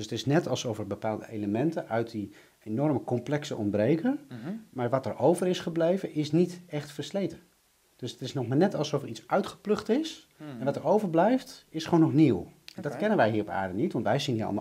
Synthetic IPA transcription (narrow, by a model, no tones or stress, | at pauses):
døsətɪsnɛtɑlˠsofvəɹbəpaːlˠdə̰ʔejləmɛntənœɥt̚di | enɔɹməkɔmplɛksəʔɔ̰nbrejkənmaːɹʋɑtɛɹʔowvəɾɪsχəblejvənʔɪsnitɛχtfəɹslejtə | d̥ɵsətɪsnɔχmaːɹnɛtɑlˠsɔfəɹitsœɥtχə̥plɵχtɪs | ɛnʋɑtəɹowvəɹblɛjftɪsχonɔχniwɛndɑtkɛnənʋɛjɦiːrɔpa̰ːɹdənitʋɑntʋɛjziniːɑ̰lˠm